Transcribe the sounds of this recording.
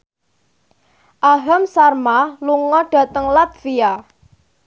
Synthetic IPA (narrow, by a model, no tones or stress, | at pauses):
ʔaɦamsarmaluŋɔɖ̥a̤t̪əŋlat̪̚fia